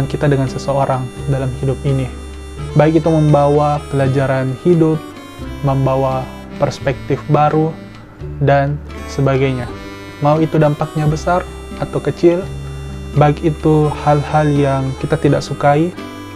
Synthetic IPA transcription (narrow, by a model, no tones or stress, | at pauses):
nkit̪adəŋansəsəoɾʔaŋdalamhidup̚ini | baɪk̬it̪uməmbawapəlad͡ʒaɾanhidʊp̚ | məmbawa | pərspɛk̚t̪ɪfbaɾu | dansəbaɡajɲa | mauit̪udampak̚ɲabəsar | at̪awkət͡ʃɪl | baɪkit̪uhalhaljaŋkit̪at̪idaksukai